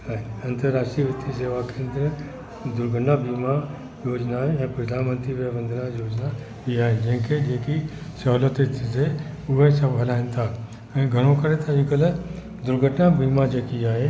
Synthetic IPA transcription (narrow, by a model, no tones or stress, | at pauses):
ɐ̃nt̪əɾːaːʃʈiʋɪt̪ːiseːʋakɪɾə̃nd̪ɾ | d̪ʊɾɡʱəʈnabiːma | joːd͡ʒnaɛ̃ːpɾɐd̪ʱaːnmə̃nt̪ɾiʋəbə̃nd̪ʱnajoːd͡ʒna | biaːɦed͡ʒɐ̃ɦɪ̃ked͡ʒeːkisɔːlət̪et̪ʰse | ʊɦesɐbɦɐlaːɦɪ̃nt̪ʰaː | ɛ̃ːɡʱɐɽ̃õkɐɾet̪aɪkəl | d̪ʊɾɡʱəʈnabiːmad͡ʒeːkiaːɦe